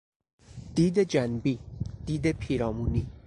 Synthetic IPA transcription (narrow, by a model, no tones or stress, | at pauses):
d̪̥iːd̪e̞d͡ʒænbiːd̪̥iːd̪e̞pʰiːɾɒːmuːniː